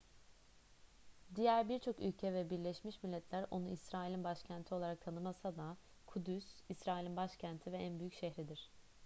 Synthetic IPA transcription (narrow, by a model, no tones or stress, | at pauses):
d̪ijæɾbiɾt͡ʃʰo̞ky̰lʲcʰɛvɛbiɾlʲɛʃmiʃmilʲːɛt̪ʰlʲæɾo̞̰nuisɾaːilʲinbaʃcʰænt̪ʰio̞lˠaɾak̚t̪ʰanɯmasad̪a | kʰud̪ysisɾaːilʲinbaʃcʰænt̪ʰivɛænbyjycʃɛhɾid̪iɾ̝̥